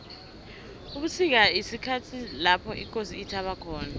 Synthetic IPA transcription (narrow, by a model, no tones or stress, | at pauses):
uɓusik̬aisikʰatʰilapʰɔʔik̬ʼosiːtʰaɓakʰɔːna